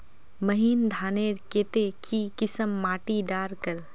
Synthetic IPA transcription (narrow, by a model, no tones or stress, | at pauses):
məɦiːnd̪ʱaːneːɾkeːt̪ekʰikɪsəmːaːʈiɖaːɾkəɾ